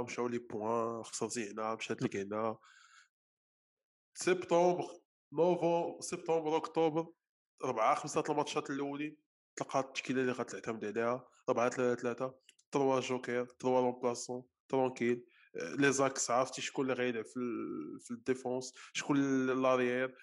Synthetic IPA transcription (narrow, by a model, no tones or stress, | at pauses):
mʃæwlibwæxsˤɑɾˤziʕnæmʃæt̪liknæh | sɛbt̪ɑ̃bʁ | novɑ̃bɾsɛb̚t̪ɑ̃bɾˤʊkt̪obɾ | ɾˤbʕaxəmsat̪əlmɑt̪ˤʃɑt̪lːuwli | t̪əlqɑt̪ːʃkilaliɣɑt̪əlʕt̪æmd̪ʕlihæ | ɾˤbʕat̪lætt̪læt̪a | t̪əɾwaʒokɛɾt̪ɾwælɑ̃plæsɔ̃ | t̪ɾˤɑ̃kil | lezɑksʕɑft̪iʃkʊlːɣæd̪fifid̪efɑ̃sʃkullɑɾjɛɾ